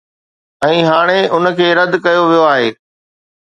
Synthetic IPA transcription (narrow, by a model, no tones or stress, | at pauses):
ɛ̃ːɦaːɽ̃eʊnkʰeːɾɐd̪kɐjoʋijoaːɦeː